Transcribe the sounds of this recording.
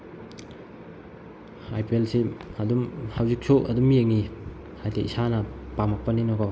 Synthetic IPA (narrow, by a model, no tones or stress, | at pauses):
ajpielsiɐdumhawzik̚sʰuʔɐ̰dumjeŋi | hajteʔisanɐpamak̚pɐninɔkɔ